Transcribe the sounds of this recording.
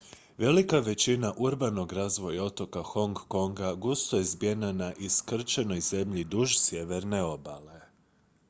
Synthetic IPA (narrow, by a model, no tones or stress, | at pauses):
ʋe̞likaʋe̞t͡ɕinaʔuɾbano̞ɡɾazʋo̞jao̞t̪o̞kaxo̞ŋɡːo̞ŋɡaɡust̪ojezbjenanaʔiskr̩t͡ʃeno̞jze̞mʎid̪uʒsje̞ʋe̞ɾne̞o̞bale̞